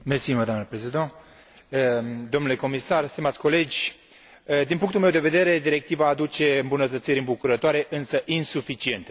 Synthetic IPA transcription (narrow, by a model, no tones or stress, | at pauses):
mesiməd̪oanəpɾezid̪a | d̪omnule̞ko̞misarst̪imat̪sʲko̞le̞d͡ʒʲ | d̪inpuŋkt̪ulmewd̪e̞ve̞d̪e̞ɾe̞d̪iɾe̞k̚t̪ivaːd̪ut͡ʃe̞ɨmbunət̪ət̪siɾɨmbukuɾət̪oaɾe̞ʔɨnsəʔinsufit͡ʃie̞nt̪e